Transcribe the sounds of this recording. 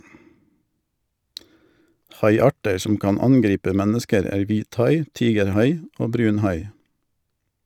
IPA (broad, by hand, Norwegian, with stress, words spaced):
ˈhɑɪˌɑːʈə ˈsɔm ˈkɑːn ˈɑnˌɡɾiːpə ˈmɛnəskəɾ ˈæːɾ ˈʋiːtˌhɑɪ ˈtiːɡəɾˌhɑɪ ˈoː ˈbɾʉːnˌhɑɪ